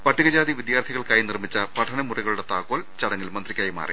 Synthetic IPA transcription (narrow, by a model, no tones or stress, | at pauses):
pɐʈʰːiɣɐd͡ʑaːd̪iʋid̪jaːrt̪ʰiɣɐɭkaːjinirmit͡ɕːɐpɐʈʰɐnɐmuriɣɐɭuɽe̞t̪aːkoːlt͡ɕɐɽɐŋːilmɐnd̪rikʲːɐjɐma̰ːrḭ